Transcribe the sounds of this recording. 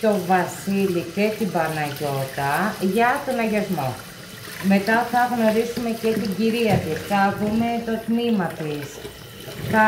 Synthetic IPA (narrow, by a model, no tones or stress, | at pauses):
t̪o̞vɐsilice̞t̪ibɐnɐʝo̞t̪ɐʝɐt̪onɐʝɐzmo̞ | me̞t̪ɐθɐɣno̞ɾisume̞ce̞t̪iɟiɾiɐt̪isθɐðume̞t̪o̞t̪mimɐt̪is | θɐ